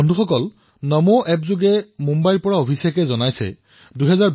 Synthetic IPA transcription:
ɔndʱuxɔkɔl | nɔmoʔɛpzʊɡɛmumbajɹpɔɹaobʰʱisakɛzɔnajsɛ̰ | dujɦɛzaɹ

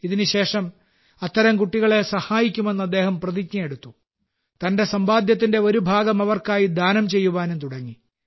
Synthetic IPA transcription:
iðinuɕe̞ːʂɐm | ɐt̪ːɐɾɐmkuʈːiɣɐɭe̞sɐhaːjikʲːume̞nːɐd̪ːe̞ːhɐmprɐðik̚ɲɐjeɽut̪ːu | t̪ɐnde̞sɐmbaːd̪ʱjɐt̪̬ːinde̞o̞ɾubʱaːɡɐmɐʋɐrkaːjid̪ʱaːnɐmt͡ɕe̞jːuʋaːnumt̪uɽɐŋːi

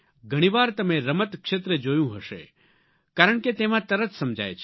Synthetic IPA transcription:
ɡʱəɽ̃ĩʋaɾt̪əmeɾəmət̪kʃet̪ɾəd͡ʒojũɦəʃḛ | kaɾəɳ̃ket̪emãt̪əɾət̪səmd͡ʒa̰jt͡ʃʰ

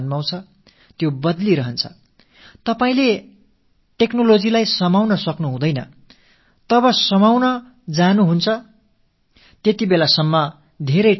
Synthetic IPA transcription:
nmaw̃t͡sʰʌ | t̪jobʌd̪liɾʌɦʌnt͡sʰʌ̥̰ | t̪ʌpaĩle | ʈeknolod͡zilajsʌmawnʌsʌknuɦũd̪ʌjnʌ̰ | t̪ʌβʌsʌmawnʌ | d͡zanuɦunt͡sʰʌ | t̪jet̪ibelasʌmːʌ | d̪ʱeɾʌj

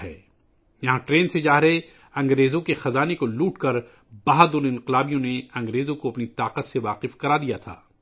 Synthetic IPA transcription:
ɦɛ̰ː | jɐɦãʈɾeːnsed͡ʒaːɦɾɐɦe | ɐ̃ŋɡɾeːzõkexɐzaːnekoluːʈkɐɾ | baːɦad̪ʊlɪ̃nqɪlaːbijõneɐ̃ŋɡɾeːzõkoɐpnit̪aːqət̪seʋaːqɪfkɐɾaːd̪ijat̪ʰa̰ː

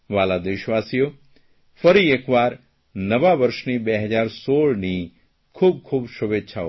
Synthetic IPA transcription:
ʋalad̪ɪʃʋasijo | fəɾiekʋaɾ | nəʋaʋəɾʃnibeɦəd͡ʒaɾsoɭni | kʰub̚kʰubʃuʋetːʃʰa

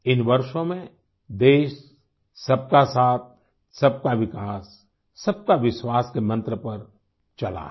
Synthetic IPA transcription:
ɪnʋɐɾʃõmẽ | d̪eːʃ | sɐb̚kasaːt̪̚ | sɐb̚kaʋɪkaːsː | ɐb̚kaʋɪʃwaːskemɐ̃nt̪ɾəpɐɾ | t͡ʃɐla̰

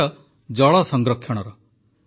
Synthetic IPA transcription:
ɔ | d͡ʒɔɭɔsɔŋɡɾɔkʰjɔɽ̃ɔɾɔ

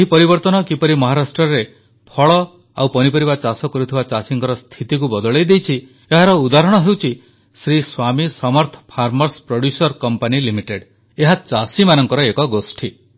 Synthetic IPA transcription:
eɦipɔɾibɔɾt̪ɔnɔkipɔɾimɔɦaɾasʈɾɔɾe | pʰɔɭɔ | a̰wpɔnipɔɾibat͡ʃasɔkɔɾut̪ʰibat͡ʃasiŋkɔɾɔst̪ʰit̪ik̬ubɔd̪ɔɭejd̪ejt͡ʃʰi | eɦaɾɔud̪aɾɔɽ̃ɔɦewt͡ʃʰi | sɾiswamisɔmɔɾt̪ʰɔ̥pʰaɾmɔɾspɾoɽjusɔɾkɔmpanilimiʈeɖ | eɦat͡ʃasimanɔŋkɔɾɔekɔɡosʈʰi

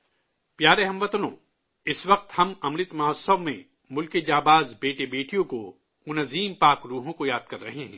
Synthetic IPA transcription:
pjaːɾeɦɐ̃mʋɐt̪nõ̰ | ɪsʋɐq̚t̪hɐmɐmɾɪt̪mɐɦsəʋmḛ̃ | mʊlked͡ʒaːbaːzbeːʈebeːʈijõko | mʊnɐziːmpaːkɾuːɦõkojaːd̪̚kɐɾːɐɦeɦɛ̰̃ː

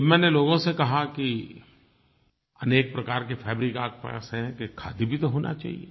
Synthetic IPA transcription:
mɛ̃ːneloːɡõsekɐɦaki | ɐneːk̚pɾɐkaːɾk̬efʰɛːbɾikaːk̚pa̰sɦɛ̃kekʰːa̰ːd̪ibʱit̪oɦoːnʔa̰t͡ʃa̰ːɦḭḛː

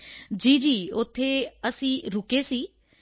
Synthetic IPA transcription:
d͡ʒiːd͡ʒiːʊt̪ʰːeəsĩːɾʊkesiː

